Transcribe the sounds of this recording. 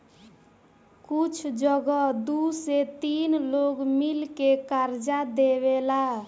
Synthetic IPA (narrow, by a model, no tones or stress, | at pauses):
kut͡ʃʰd͡ʒəɡɔd̪uset̪inloɡmilkekaɾd͡ʒad̪eβela